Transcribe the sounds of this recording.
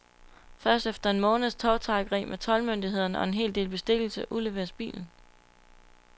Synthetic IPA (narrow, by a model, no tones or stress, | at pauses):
fɶɐsd̥efd̥ɐe̝nmɔ̽ːnð̩ˠst͡sʰɒʊt͡sʰɑ̈ːɡ̥ʁḭːmʔet͡sʰɒ̽lmønd̥iɦe̝ð̞̰ˠɐnəɒ̽e̝nɦe̝̰ːld̥e̝̰ːlb̥e̝sd̥e̝ɡ̥l̩səʔule̝ʋe̝̰ːɐsb̥ḭːln̩